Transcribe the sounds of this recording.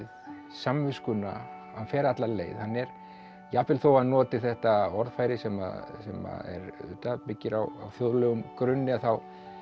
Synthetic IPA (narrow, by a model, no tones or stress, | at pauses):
ð | samvɪskʏna̰ | hanfɛːɾat̪laleːjðhanːɛɾ̥ | japɪlθoːwaðnɔːt̪ɪθɛht̪aɔɾðfaːjɾɪsɛma̰sɛ̰ma̰ðɛ̰ɾʏ̰ːt̪apɪcːɪɾa̰wa̰wθjoððɾlœːɣʏmkɾʏnːɪaθaw